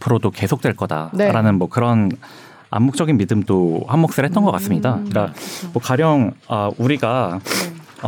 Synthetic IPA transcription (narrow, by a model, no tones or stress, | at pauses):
pʰɯɾodoke̞sʰok̚t͈we̞ɭk͈ʌda̰neɾanɯnmwʌkɯɾʌn | a̰mːuk̚t͡ɕ͈ʌɡinmidɯmdohammʌk̚s͈ɯɭhet͈ʌnɡʌk͈as͈ɯmɲidak͈amʌkaɾjʌŋʌuɾiɡa